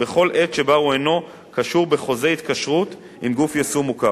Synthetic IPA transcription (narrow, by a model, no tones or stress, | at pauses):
beχo̞lʔet̪ʃe̞bauejno̞ | kaʃuʁbe̞χo̞zeit̪kaʃʁut̪ | imɡufjesumuka